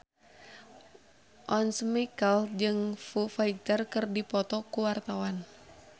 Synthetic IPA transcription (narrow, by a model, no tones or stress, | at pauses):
ʔɔnsmikəld͡ʒɨŋfufait̪ərkɨrdipɔt̪ɔkuwart̪awan